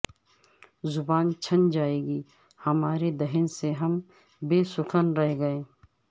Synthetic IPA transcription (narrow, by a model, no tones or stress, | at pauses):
zʊbaːnt͡ʃʰənd͡ʒaːeːɡiː | hɐmaːɾed̪ɐɦɪnseɦɐm | beːsʊkʰənɾɐɦɡɐeː